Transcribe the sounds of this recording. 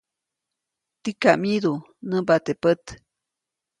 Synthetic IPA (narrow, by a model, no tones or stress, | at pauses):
t̪ikamid̪u | nəbat̪epət̪